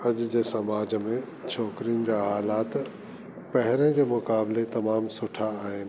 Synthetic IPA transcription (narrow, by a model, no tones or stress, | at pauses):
ɐd͡ʑd͡ʑeːsɐmaːd͡ʑmẽ | t͡ɕʰɔːkɾijənɪ̆d͡ʑaːɦaːlaːt̪ | pɐɦɪɾə̃d͡ʑeːmʊkaːblet̪ɐmaːmsʊʈʰaːɦɪnɪ̆